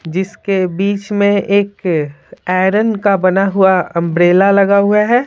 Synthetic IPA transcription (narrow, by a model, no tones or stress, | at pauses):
d͡ʒɪskebiːt͡ʃmẽʔeːk | ɛːɾənkabɐnaɦuaɐ̃mbɾeːlalɐɡaɦuaɦɛː